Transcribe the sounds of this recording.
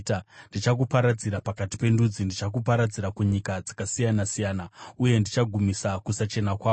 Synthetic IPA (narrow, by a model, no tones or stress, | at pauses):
tandit͡ʃak̬upaɾad͡ziɾapakati̥pe̞ndud͡zindit͡ʃakupaɾad͡ziɾakuɲikad͡zakasijanasijaːnauje̞ndit͡ʃaɡʱumisakusat͡ʃe̞nakwaː